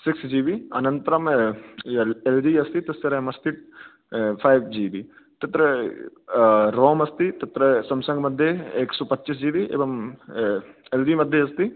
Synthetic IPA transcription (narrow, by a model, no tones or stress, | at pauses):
sɪksd͡ʒiːbiɐnɐnt̪ɾɐm | elɖiːɐst̪it̪ɐsɐɾɐmɐst̪iʈ | pʰaːjbd͡ʒiːbiː | t̪ɐt̪ɾɐ | ɾoːmɐst̪it̪ɐt̪ɾɐsɐmsɐ̃ŋɡmɐd̪ʱjeeːksoːpɐt̪ːt͡ʃis̬d͡ʒiːʋiḛːʋɐm | elɖiːmɐd̪ʱːjeɐst̪i